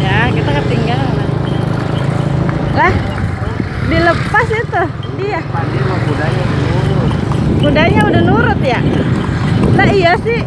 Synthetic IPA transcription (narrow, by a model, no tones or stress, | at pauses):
jakit̪akət̪iŋɡaŋlah | lah | diləpasit̪u | diahpabimabudaɲauubundaɲaudahnuɾʊt̪̚ja | laɦijasɪh